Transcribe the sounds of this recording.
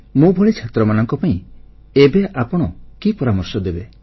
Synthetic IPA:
mũbʱɔɭit͡ʃʰat̪ɾɔmanɔŋkɔpaĩ | ebeʔapɔɽ̃ɔkipɔɾamɔɾsɔd̪ebe

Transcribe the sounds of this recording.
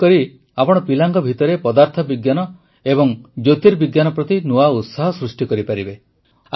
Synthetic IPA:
kɔɾi | apɔɽ̃ɔpilaŋɡɔbʱit̪ɔɾepɔd̪aɾt̪ʰɔbiɡjanɔ | ebɔŋd͡ʒot̪iɾbiɡjanɔpɾɔt̪inuaut̪saɦɔsɾusʈikɔɾipaɾibe

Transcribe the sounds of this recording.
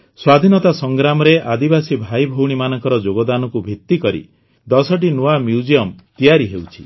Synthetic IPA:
swad̪ʱinɔt̪asɔŋɡɾamɔɾeʔad̪ibasibʱajbʱɔwɽ̃imanɔŋkɔɾɔd͡ʒoɡɔd̪anɔkubʱit̪ːikɔɾḭ | d̪ɔsɔʈ̬inoamjud͡ʒijɔmt̪ijaɾiɦewt͡ʃʰi̥

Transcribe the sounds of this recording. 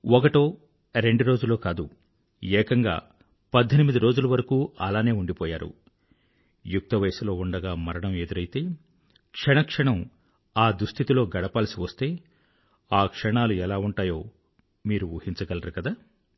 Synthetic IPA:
ɔkɐʈoː | ɾe̞ɳɖuɾo̞ːd͡ʒulːo̞ːkaːd̪u | ɛːkɐŋɡa̰ː | pɐd̪ʱːɐnimid̪iɾo̞ːd͡ʒulɐʋɐɾɐkuːɐlaːne̞ːuɳɖipoːjaːɾṵ | juk̚t̪ɐʋɐjsɐlo̞ːuɳɖɐɡaːmɐɾɐɳɐme̞d̪uɾɐjt̪eː | kʂɐɳɐkʂɐɳɐm | aːd̪ɾust̪ʰit̪ilo̞ːɡɐɽɐpaːlɐsiʋɐst̪e̞ː | aːkʂɐɳaːluɛlaːuɳʈaːjo̞ː | miːɾuʋuːhiɲnt͡ʃɐɡɐlɐɾukɐd̪aː

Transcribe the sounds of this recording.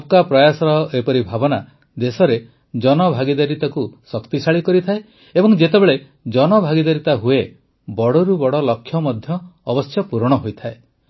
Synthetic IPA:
kapɾɔjasɔɾɔʔepɔɾibʱabɔna | d̪esɔɾe | d͡ʒɔnɔbʱaɡid̪aɾit̪akusɔkt̪isaɭikɔɾit̪ʰae | ebɔŋd͡ʒet̪ebeɭe | d͡ʒɔnɔbʱaɡid̪aɾit̪aɦue | bɔɽɔɾubɔɽɔlɔkʰːjɔmɔd̪ʱjɔːbɔstjɔpuɾɔɽ̃ɔɦojt̪ʰae

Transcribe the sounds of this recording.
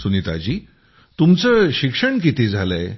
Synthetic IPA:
sunit̪a̰t͡ɕiː | t̪umt͡səɕikʂəɳk̬it̪ʰid͡zʱaləj

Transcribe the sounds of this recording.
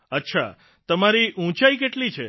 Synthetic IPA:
ətːʃʰa̰ | t̪əmaɾiʔũt͡ʃaikeʈlit͡ʃʰe

